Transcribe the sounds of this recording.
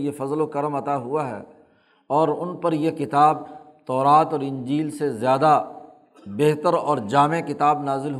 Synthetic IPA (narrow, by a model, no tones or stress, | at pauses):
jefɐzlokɐɾəmɐt̪aɦʊaɦɛ̰ː | ɔːɾʊnpɐɾjekɪt̪aːb̚ | t̪ɔːɾaːt̪ɔːɾɪ̃nd͡ʒiːlsezjaːd̪a | beɦt̪əɾɔːɾd͡ʒaːmekɪt̪aːbnaːzɪlɦ